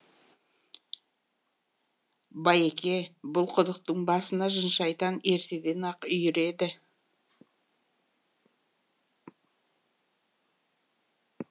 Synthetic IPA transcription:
bɑjekʲe̞bʊlˠqʰʊd̪əq̚t̪əɴbɑsənɑʒənʃɑjt̪ɑne̞ɾt̪e̞d̪e̞nɑqʏjʏɾe̞d̪ɪ

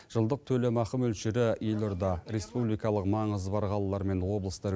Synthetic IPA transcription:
ʒ̥əlˠd̪əq̚t̪ʰɵlemɑqəmɵlʃɪɾɪje̞lʲoɾd̪ɑɾe̞spublijkɑlˠəqmɑɴəzbɑɾqʰɑlˠɑlˠɑɾme̞nwo̞blˠəst̪ɑɾ

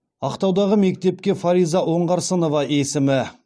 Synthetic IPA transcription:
ɑqt̪ɑwd̪ɑʁəme̞k̚t̪e̞p̚kʲe̞faɾijzɑwo̞ɴʁɑɾsəno̞vɑesɪmɪ

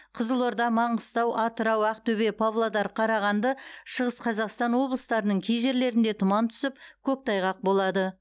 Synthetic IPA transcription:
qʰəzəlˠo̞ɾd̪ɑmɑɴəst̪ɑwʔɑt̪əɾɑwæqt̪ɵbe̞pʰavlˠad̪ɑɾqʰɑɾɑʁɑnd̪əʃəʁəsqʰɑzɑqst̪ɑnwo̞blˠəst̪ɑɾənəɴkʲʰejʒe̞ɾle̞ɾɪnd̪e̞t̪ʰʊmɑnt̪ʰʏ̥sɪpkʲʰɵk̚t̪ɑjʁɑq̚bo̞lˠɑd̪ə

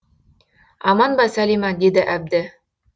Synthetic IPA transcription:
ɑmɑnbɑsælʲimɑd̪id̪ɘʔæb̚d̪ɘ

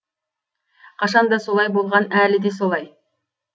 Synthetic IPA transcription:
qɑʃɑnd̪ɑsolˠɑjbolˠʁɑnælɪd̪esolˠɑj

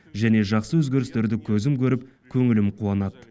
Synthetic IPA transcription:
ʒæne̞ʒɑqsəwɵzɡʲe̞ɾɪst̪e̞ɾd̪ɪkʲʰɵzɪmkʲɵɾɪp̚ | kʲʰɵŋɪlɪmqʰuɑnɑt̪

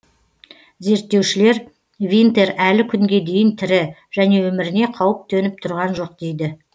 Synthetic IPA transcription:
ze̞ɾt̪ːe̞wʃɪle̞ɾ | vʲint̪e̞ɾælɪkʲʰʏŋɡʲe̞d̪e̞jɪnt̪ʰɪɾɪʒæne̞wɵmɪɾɪne̞qʰɑwəp̚t̪ʰɵnɪp̚t̪ʰʊɾʁɑnʒo̞q̚d̪ejd̪ɪ

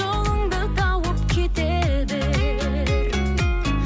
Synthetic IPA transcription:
olˠəŋd̪ət̪ʰɑwəp̚kʲʰet̪e | d̪ɪ

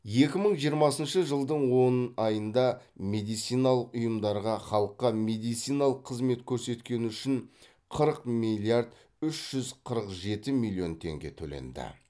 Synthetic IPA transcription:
je̞kʲɪməɴʒijəɾmɑsənʃəʒəlˠd̪əɴwo̞nɑjənd̪ɑme̞d̪ijt̪sijnɑlˠəqʊjəmd̪ɑɾʁɑχɑlˠəqːɑme̞d̪ijt̪sijnɑlˠəqʰːəzme̞t̪kʲʰɵɾse̞t̪kʲe̞nuʏʃɪn | qʰəɾəqmilʲˠijaɾd̪ | ʏʃʒ̥ʏzqʰəɾəqʒe̞t̪ɪmilʲːjo̞nt̪ʰe̞̰ŋɡʲe̞̰t̪ʰɵ̰lḛnd̪ɪ̰

